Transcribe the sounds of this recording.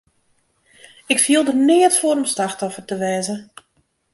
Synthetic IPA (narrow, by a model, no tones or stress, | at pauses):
ɪkfiəlˠdənɪːətfoːɾəmslaxtɔfərtəʋɛːzə